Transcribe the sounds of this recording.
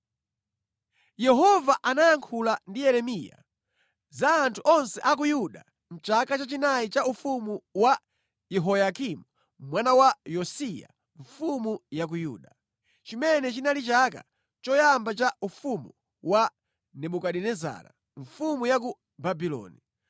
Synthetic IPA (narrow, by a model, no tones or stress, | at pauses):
jɛɦɔvaʔanajaŋkʰulandijɛɾɛmija̰ | zaːntʰuʔɔnsɛʔak̬ujuɗa | m̩t͡ʃakat͡ʃat͡ʃinait͡ʃaufumuwa | jɛɦɔjakimu | mwanawajɔsija̰ | ɱfumujak̬ujuːɗa | t͡ʃimɛnɛt͡ʃinalit͡ʃaka̰ | t͡ʃɔjambat͡ʃaufumu | wa | nɛɓukaɗɛnɛza̰ːɾa̰ | ɱ̩fumujak̬u | babilɔ̰ːni